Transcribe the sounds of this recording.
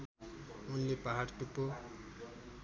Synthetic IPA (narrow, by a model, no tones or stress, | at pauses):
unlepaɦaɽʈ̪upːo